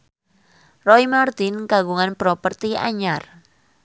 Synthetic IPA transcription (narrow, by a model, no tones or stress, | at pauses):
rɔjmart̪ɪnkaɡuŋanpɾɔpərt̪ia̰ɲar